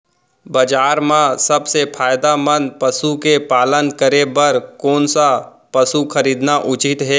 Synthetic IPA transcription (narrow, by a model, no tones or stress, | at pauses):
bəd͡ʒaːɾmãsɐbsepʰaːjd̪amə̃npəsukepaːlənkəɾebɐɾkoːnsa | pəsukʰəɾiːd̪naʔʊt͡ʃɪt̪ɦɛː